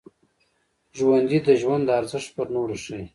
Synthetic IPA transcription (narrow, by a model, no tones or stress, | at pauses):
ʒwand̪id̪əʒwand̪əaɾzɪʃt̪̚pəɾnoɾʃəj